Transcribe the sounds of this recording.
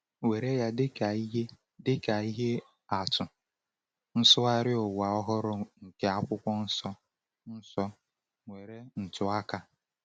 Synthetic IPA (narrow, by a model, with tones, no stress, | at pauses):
we˨ɾe˦ja˦dɪ˦ka˨˦e˦ | dɪ˦ka˨i˦ɦe˦ | a˨tʊ˨ | n̩˦sʊ˦a˦ɾɪ˦ʊ˨wa˨ɔ˦ɦɔ˦ɾʊ˦ŋ̩˨ke˦a˦kʷʊ˦kʷɔ˦n̩˦sɔ˦ | n̩˦sɔ˦ | ŋʷe˨ɾe˦n̩˨tʊ˦a˦ka˦